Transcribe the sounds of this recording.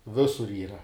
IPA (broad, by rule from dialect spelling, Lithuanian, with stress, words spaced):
ˈʋʲɪsʊr ˈiːrɐ